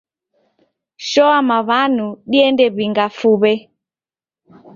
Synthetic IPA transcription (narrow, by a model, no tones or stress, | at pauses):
ʃɔamaβanuɗiɛndɛβiŋɡafuβɛ